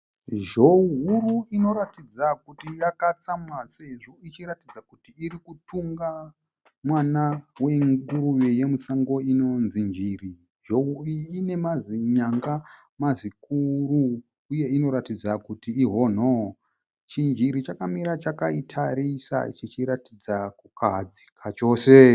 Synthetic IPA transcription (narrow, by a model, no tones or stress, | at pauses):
ʒo̞uɦuruino̞ɾatid͡zakutijakat͡samwase̞ʐo̞it͡ʃiɾatid͡zakutiːrikutʰuŋɡa | mwanawe̞ŋɡuɾujeje̞musaŋɡo̞ino̞nzind͡ʒiri | ʒouiine̞maziɲaŋɡa | mazikuruː | je̞ino̞ɾatid͡zakutiːɦo̞ːn̤o | t͡ʃind͡ʒiɾit͡ʃakamiɾat͡ʃakaitʰaɾisa̰t͡ʃit͡ʃiɾatid͡zakukʰad͡zi̥kʰat͡ʃo̞ːse